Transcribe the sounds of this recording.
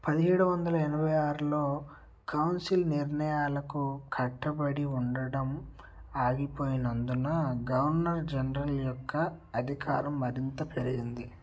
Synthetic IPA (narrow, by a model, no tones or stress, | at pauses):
pɐd̪iɦeːɽuʋɐnd̪ɐlɐɛnɐbʱɐjaːɾulo̞ː | kɐwnsilniɾɳɐjaːlɐkukʰɐʈːɐbɐɽiuɳɖɐɽɐm | aːɡipo̞ːjinɐnd̪unɐɡɐʋɐɾnɐɾd͡ʒɐnɾɐljɔkʰːɐːd̪ʱikaːɾɐmːɐɾint̪ɐpeɾiɡind̪i